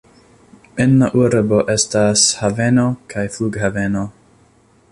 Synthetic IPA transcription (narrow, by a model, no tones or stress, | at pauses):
enlaʔuɾbo̞ʔestashavenokʰajfluɡhaveno